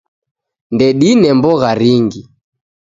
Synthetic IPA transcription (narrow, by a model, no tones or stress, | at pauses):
ndɛɗinɛmbɔɣaɾiŋɡi